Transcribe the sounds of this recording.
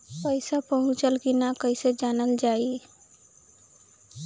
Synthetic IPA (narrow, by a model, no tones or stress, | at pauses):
pəɪsapəɦʊ̃t͡ʃəlkinakəɪsed͡ʒaːnəld͡ʒaːi